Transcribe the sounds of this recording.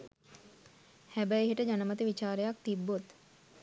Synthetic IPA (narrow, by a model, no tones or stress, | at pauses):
hæbəeɦiʈəd͡ʒanəmət̪iʋit͡ʃaːɾejak̚t̪ibːot̪